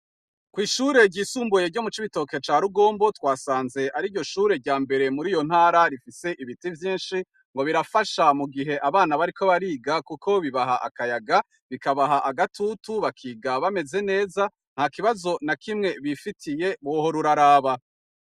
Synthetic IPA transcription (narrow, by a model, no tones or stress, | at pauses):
kwiːʃuːɾe̞ɾɟiːsuːmbuje̞ɾɟo̞mut͡ʃiβito̞ke̞t͡ʃaːɾuɡo̞ːmbo̞twaːsaːnze̞ʔaɾiɟo̞ʃuːɾe̞ɾɟaːmbe̞ɾe̞muɾiːjo̞n̥haːɾaɾifise̞ʔiβitivjiːnʃi | ŋɡo̞βiɾafaʃamuɡiɦe̞ʔaβaːnaβaɾiko̞βaɾiːɡakuko̞βiβaɦaʔa̰kajaɡa | βikaβaɦaʔaɡatʰutuβakʰiːɡaβame̞ze̞ne̞ːza | n̥haːkiβazo̞nakimŋe̞βifitʰije̞βoho̞ɾuɾaɾaːβa